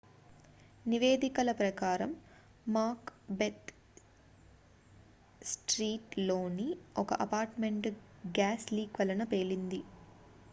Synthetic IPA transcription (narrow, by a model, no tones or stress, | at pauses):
niʋeːd̪ikɐlɐpɾɐkaːɾɐmː | aːkbet̪ | sʈɾiːʈloːniɔkɐ̰ʔɐpaːɾʈme̞ɳʈɡaːsliːkʋɐlɐnɐpe̞ːlind̪i